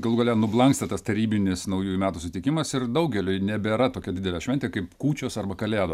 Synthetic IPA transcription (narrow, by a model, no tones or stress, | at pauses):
ɡɐlˠuɡɐlʲɛnʊblˠɐŋkst̪ɐt̪ɐst̪ɐɾʲiːbʲɪnʲɪsnɐʊjuːjumʲæːt̪uːsʊt̪ʲɪkʲɪmɐsɪrd̪ɐʊɡʲɛlʲʊnʲɛbʲeːɾɐt̪oːkʲɛd̪ʲɪd̪ʲɛlʲɛːʃʲʋɛnʲt̪ʲeːkɐɪpkuːt͡ʃʲoːsɐrbɐkɐlʲæːd̪oː